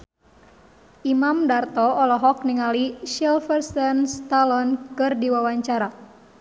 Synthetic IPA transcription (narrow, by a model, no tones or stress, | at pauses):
ʔimamdart̪ɔɔlɔɦɔk̚niŋaliʃɛlfərsɛnst̪alɔnkɨrdiwawaɲt͡ʃaɾa